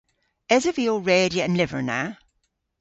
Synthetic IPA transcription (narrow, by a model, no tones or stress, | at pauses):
ɛzəviːəlˠɹeːdiəə̃nlɪvə̰˞na